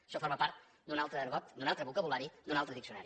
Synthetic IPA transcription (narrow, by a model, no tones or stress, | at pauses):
ʃɔfɔɾməpaɾt̪ | d̪unalˠt̪ɾəːɾβɔt̪d̪unalˠt̪ɾəβukəβulaɾid̪unalˠt̪ɾəðiksiuna̰ɾi